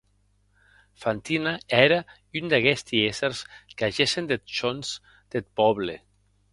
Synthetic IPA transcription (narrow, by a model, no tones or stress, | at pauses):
fant̪inaɛɾa | ynd̪aɣɛst̪ieseɾskaʒesend̪et̪̚t͡ʃonz | d̪̥et̪̚pɔβle